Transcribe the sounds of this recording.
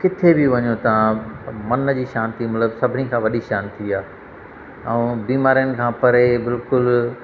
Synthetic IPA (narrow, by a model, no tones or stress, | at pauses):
kɪt̪ʰebɪʋɐɲot̪ɐãmɐnd͡ʑiːʃaːnt̪ʰimɐt̪ləbsɐbʱɪnikʰãːʋɐɗiʃaːnt̪ʰiaː | ɛ̃biːmaːɾijənɪ̆kʰãːpɐɾebɪlkʊl